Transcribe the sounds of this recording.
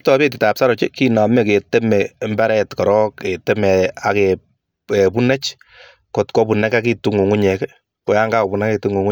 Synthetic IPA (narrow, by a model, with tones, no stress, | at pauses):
p̚tɔ˨pe˦t̬ɪ˨ta˨psa˦ɾɔ˨t͡ʃe˦kina˨mɛ˦ke˨te˦mɛ˨mbɛ˦ɾɛ˦tkɔ˨ɾɔ˦ke˨te˦mɛ˨a˨ke | epu˦nɛ˦t͡ʃ | ko˨tkɔ˦pu˨nɛ˦ka˦ki˦tu˦ŋu˨ŋu˦ɲɛ˨k | ko˨˦ja˦ŋɡa˦o˨bu˨na˦ke˨tu˦ŋu˨ŋʊ˦